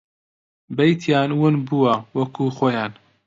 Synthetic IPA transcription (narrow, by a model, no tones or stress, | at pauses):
bɐjt̪ʰjaːnwʊnbuwɐwɐkʰuːxoːjaːn